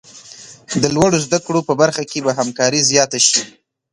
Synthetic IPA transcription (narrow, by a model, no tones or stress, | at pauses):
d̪əlwaɽozd̪akɽopəbaɾxakebaɦamkɑɾizjɑt̪aʃi